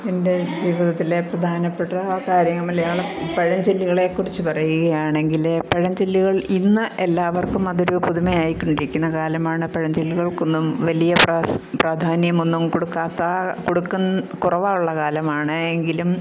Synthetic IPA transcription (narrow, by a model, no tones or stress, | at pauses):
ende̞d͡ʑiːʋiðɐt̪ːile̞prɐd̪ʱaːnɐpːeʈːɐkaːɾjɐŋːɐmːɐlɐjaːɭpɐɻɐmd͡ʑelːiɣɐɭekːurit͡ɕːɨpɐrɐjuɣɐjaːɳe̞ŋɡilepɐɻɐmd͡ʑelːiɣɐɭinːɨʔe̞lːaːʋɐrkumɐðoɾupuðumejaːjikʲːuɳɖiɾikʲːunːɐkaːlɐmaːɳɨpɐɻɐmd͡ʑelːiɣɐɭkonːumʋɐlijɐprpraːd̪ʱaːnjɐmo̞nːumkoɽukːaːt̪ːakoɽukːunkurɐʋaːjuɭːɐkaːlɐmaːɳɨeŋɡilum